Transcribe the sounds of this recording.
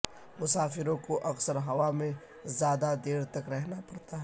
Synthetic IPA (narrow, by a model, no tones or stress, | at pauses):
mʊsaːfɪɾõkoʔɐksəɾɦɐʋamẽ | zjaːd̪ad̪eːɾt̪ɐkɾɛɦnapɐɽt̪aɦɛ